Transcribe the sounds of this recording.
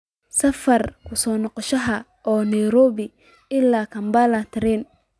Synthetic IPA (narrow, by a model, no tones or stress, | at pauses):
sɐfɐrkʰʊsɔːnɔqɔʃɐɦɐ | ɔːnɛjɾɔːβɪ | ɪlːaːkʰɐmbalɐt̪ʰɪɾɛn